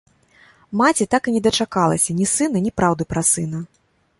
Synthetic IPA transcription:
mat͡sʲit̪akɨnʲɛd̪ɐt͡ʂakalˠɐ̰sʲɐnʲisɨnɐnʲipɾawd̪ɨpɾɐsɨn̪ɐ

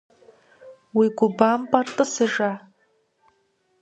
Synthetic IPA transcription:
wiɡʷʊbampʼartʼɨsɨʐa

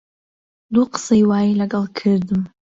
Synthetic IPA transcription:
d̪uqə̥sɐjwaːjilɐɡɐlˠkʰɨɾd̪ɨm

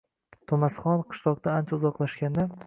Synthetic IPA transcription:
t̪ʰʊmasχɒnqʰɨ̥ʃlˠɒq̚t̪aant͡ʃʰaʊzɒqlˠaʃkʲand̪a

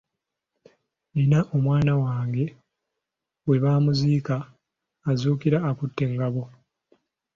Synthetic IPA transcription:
ninaʔo̞mwaːnawaːŋɡe̞ | we̞βaːmuziːkaː | zuːkiɾaːkutːe̞ŋɡaβo̞

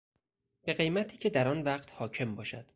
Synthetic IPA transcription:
b̥e̞ɣe̞jmæt̪ʰiːcʰe̞d̪æɾɒːnvæɢt̪hɒːcʰe̞mbɒːʃæd̪̥

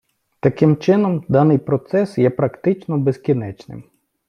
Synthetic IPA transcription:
t̪ɐkɪmt͡ʃɪnɔmd̪ɑnɪjpɾɔt̪sɛsjɛpɾɐkt̪ɪt͡ʃnɔbezkʲinɛt͡ʃnɪ̰m

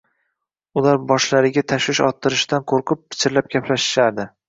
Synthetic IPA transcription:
ʊlˠaɾbɒʃlaɾɪɡʲat̪ʰaʃwɪʃɒ̰t̪ʰːɪɾɪʃd̪anqʰoɾqʰʊp̚ːɪ̥t͡ʃʰɪɾlap̚ɡʲapʰlaʃɪ̥ʃaɾd̪ɪ

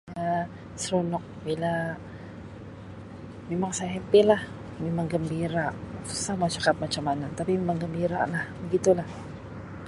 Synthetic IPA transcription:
a | sɾunok̚bila | mimaŋsaɦɛmpɪlah | mimaŋɡɐmbiːɾaʔsamat͡ʃakap̚mat͡ʃamanant̪apimimaŋɡɐmbiːɾa̰ʔnaɡit̪ola

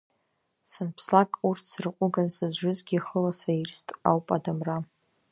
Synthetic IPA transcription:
sɨnpʰslakʼurtʰsɨrqʷʼʊɡansazʒʷʊzɡʲiχəlasajrstʼa̰wpʼadamra

